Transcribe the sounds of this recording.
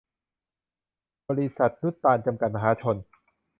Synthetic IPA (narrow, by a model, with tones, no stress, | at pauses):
bɔː˧ɾi˦˧sa˨˩t̪̚nu˦˥t̪ːaː˧nt͡ɕa˧mka˨˩t̪̚ma˧ɦaː˨˦t͡ɕʰo˧n